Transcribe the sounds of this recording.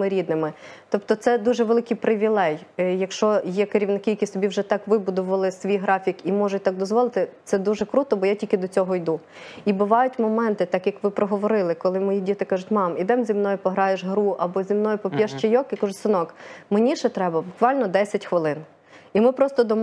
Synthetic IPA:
ɪɾʲid̪nɪmɪt̪ɔp̚t̪ɔt̪sɛd̪uʒɛʋelˠɪkijpɾɪʋʲilˠɛjjɐkʃt͡ʃɔjɛkeɾʲiʋnɪkijɐkʲist̪ɔbʲiwʒɛt̪ɑkʋɪbʊd̪ʊʋɐlˠɪsʋʲijɦɾɑfʲikimɔʒʊt̚ʲt̪ɑk̚d̪ɔzʋɔlˠɪt̪ɪt̪sɛd̪uʒɛkɾut̪ɔbɔjatʲilʲkʲɪd̪ɔt͡sʲɔɦɔjd̪u | ibʊʋɑjʊtʲmɔmɛnt̪ɪt̪ɑkjɐkʋɪpɾɔɦɔʋɔɾɪlˠɪkɔlˠɪmɔjidʲit̪ɪkɑʒʊtʲmɑmid̪ɛmzʲimnɔjʊpɔɦɾɑjeʒɦɾuʔɐbɔzʲimnɔjʊpɔpʲjɛʃt͡ʃejɔkɪkɐʒʊsɪnɔkmenʲiʃɛt̪ɾɛbɐbʊkʋɑlʲnɔd̪ɛsʲɐtʲxʋɪlˠɪn | imɪpɾɔst̪ɔd̪ɔm

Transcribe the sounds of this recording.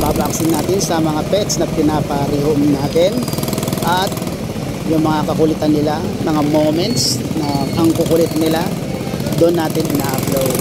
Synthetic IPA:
pabɐɐksɪnːaːt̪ɪnsɐmɐŋapɛsnɐpɪnaːpɐɾihʊmnaːt̪ɪnʔɐt̪̚ | jʊŋmɐŋakɐkʊlɪt̪ɐnːɪlamɐŋamomɛnt̪snɐʔɐŋkʊkʊlɪt̪̚nɪla | d̪oʔonːaːt̪ɪnɪnaʔɐploj

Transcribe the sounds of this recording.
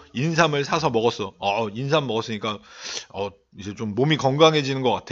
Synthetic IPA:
insʰamɯɭsʰasʰʌmʌɡʌs͈ʌʌinsʰammːʌɡʌs͈ɯɲik͈aʌ | id͡ʑe̞t͡ɕomːomikʌŋɡaŋɦe̞d͡ʑinɯnɡʌk͈atʰe

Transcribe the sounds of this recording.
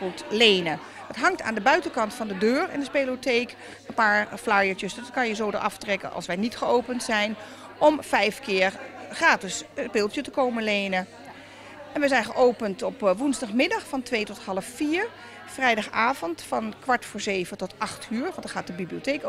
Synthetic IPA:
utlejnə | d̥ɑtɦɑŋta̰ːndəbœɥtəkɑntfɑndədøːɹɪ̰ndəspelotejk | ənpaːɹflajəɹt͡ʃəsdɑtkɑnjəzowdə̰ʔɑ̰ftrɛkə̰nʔɑ̰lˠsʋɛjnitχəowpəntsɛjn | ʔɔmfɛjfkɪːɹχraːtɪspɪːlˠtətəkowməlejnə | ɛnʋəzɛjnχəʔowpəntɔpʋunzdɑχmɪdɑχfɑntʋejtɔtɦɑlˠəfːiːɹ | frɛjdɑχaːvɔntfɑnkʋɑɹtfʊːɹzejvətɔtɑχtʰyːɹʋɑndəχaːt̚dəbibliotejk

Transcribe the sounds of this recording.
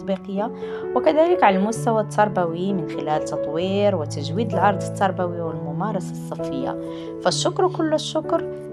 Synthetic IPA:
biqəjːa | wəkæd̪æləkʕalælmʊst̪æwat̪ʰːɑɾˤbæwimənxɪlælt̪ːɑt̪ˤwiɾwət̪æʒwid̪əlʕɑɾˤd̪ˤət̪ːɑɾˤbæwiwəlmʊmɑɾˤɑsɑsˤːɑfːəjːa̰ | fæʃːʊkɾkʊlːəʃːʊkɾ

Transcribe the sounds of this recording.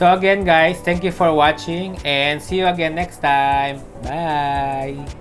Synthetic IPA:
soɐɡɛ̃nɡajst̪ɛ̃ŋkjufɔɹwat͡ʃɪ̃ŋɛ̃nsijuɐɡɛ̃nːɛkst̪ajm | baj

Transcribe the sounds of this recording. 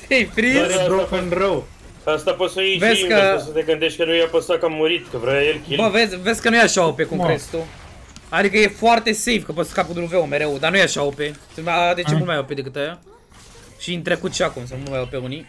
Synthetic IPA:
ejfɾiɾeɾopənrəw | ast̪apot̪səivezkəus̬ət̪eɡɨnt̪eʃt̪̚ʲkənujapəsakamːuɾit̪kəvɾaeɾkʲibəvezvezʲkənujeaʃaopekuŋkɾest̪u | ad̪ikəje̞foart̪e̞sejbkəpot̪sə̥kapud̪uluveome̞ɾe̞wd̪anujeaʃaopesɨad̪et͡ʃemult̪majoped̪e̞kɨt̪aja | ʃiɨnt̪ɾekut̪ʃakumsomulmajopeuni

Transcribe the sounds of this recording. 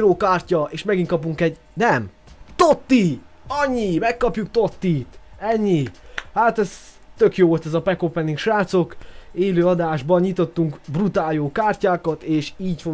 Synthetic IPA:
ɾoːkaːrcɒeːʃmɛɡintkɒpuŋkɛɟ | nɛm | t̪ot̪ːi | ɒɲːimɛkːɒpjuk̚t̪ot̪ːiːt̪ɛɲːihaːt̪ɛz | t̪ø̞kjoːvo̞lt̪ɛzɒpɛkopɛnːiŋkʃaːt̪so̞keːløːɒd̪aːʒbɒnɲit̪o̞t̪ːuŋkbrut̪aːjoːkaːrcaːkɒt̪eːʃiːɟfo

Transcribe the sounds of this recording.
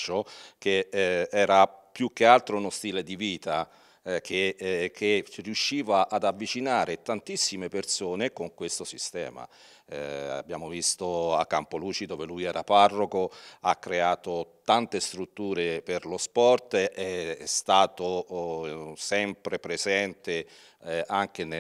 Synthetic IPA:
t͡ʃokeɛːɾapjuk̟ːealt̪ɾounost̪iːled̪iviːt̪a | k̟ʰekʰːerjuʃːiːvaʔad̪avːit͡ʃinaːɾet̪ant̪isːimepersoːnekoŋkwest̪osist̪ɛ̰ːma̰ | a̰bːjaːmovist̪oa̰kːampoluːt͡ʃid̪oːvelujɛːɾaparːokoakːɾeaːt̪ot̪ant̪est̪ɾut̪ːuːɾeperlospɔrt̪ɛɛst̪aːt̪o | sɛmpɾepɾezɛnt̪e | aŋk̟en

